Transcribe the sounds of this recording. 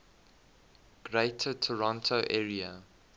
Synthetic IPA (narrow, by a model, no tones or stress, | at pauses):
ɡ̥ɹeɪtʰətʰɔɹɔ̃ntʰoʊʔɛːɹiə